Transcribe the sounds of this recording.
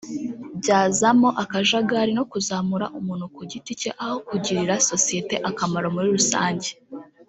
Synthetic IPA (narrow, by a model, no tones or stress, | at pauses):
bɟaːzamo̞ʔakaʒaɡaɾino̞kuzaːmuɾa̰ʔumuːn̥hukuɟiticeʔaho̞kuɟiɾiɾaso̞sije̞te̞ʔakamaɾo̞muɾiɾusa̰ːɲɟe̥